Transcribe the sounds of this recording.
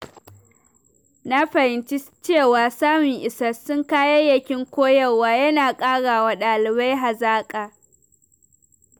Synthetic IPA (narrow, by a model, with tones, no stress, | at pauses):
na˦ɸɐ˨hɪ˨nt͡ʃi˦t͡ʃeː˦˨waː˨saː˦mʊ˨ŋʔɪ˨sɐ˦sʊ˦ŋkaː˦je˦jɐ˨kʲɪ˦ŋkʷoː˦jɐ˦˨waː˨jɐ˦naː˨kʼaː˦ɽaː˨wa˨ɗaː˨lɪ˨ba˦jɦa˨zaː˦kʼaː˨